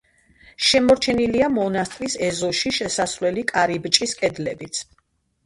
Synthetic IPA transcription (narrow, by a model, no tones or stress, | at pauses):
ʃɛmɔɾt͡ʃʰɛniliamɔnast̪ʼɾisɛzɔʃiʃɛsasɾlɛlikʼaɾibt͡ʃʼiskʼɛd̪lɛbit̪sʰ